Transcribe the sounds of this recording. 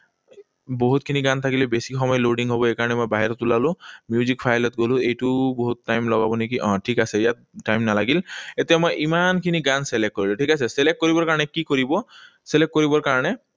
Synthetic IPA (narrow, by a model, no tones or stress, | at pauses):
boɦut̚kʰiniɡant̪ʰakilɛbesikxɔmɔjɔloɖiŋɦobɔejkaɹɔnɛmojbaɦiɹɔtulalʊ̃mjuzikpʰajlɔt̚ɡolʊ̃ejtʊboɦutːajmlɔɡa̰bɔnek̬iʔɔ̃ʈʰikasɛijat̚ːajmnalaɡiletiamojʔimankʰiniɡanselekkoɹilʊʈʰikasɛselek̚kːoɹibɔɹkaɹɔnɛkikoɹibɔ | selek̚kːoɹibɔɹkaɹɔnɛ